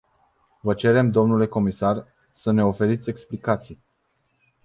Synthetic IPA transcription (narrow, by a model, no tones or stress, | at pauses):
vət͡ʃe̞ɾe̞md̪o̞mnule̞ko̞misar | səne̞o̞fe̞ɾit̪sʲe̞ksplikat̪sij